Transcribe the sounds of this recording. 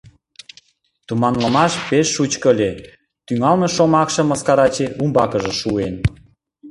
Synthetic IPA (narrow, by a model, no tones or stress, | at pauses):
t̪umɑnləmɑʃpeʃːut͡ɕkəlʲe | t̪yŋɑlmeʃomɑkʃɤ̆mə̆skɑɾɑt͡ɕeʔumbɑkəʒə̆ʃuen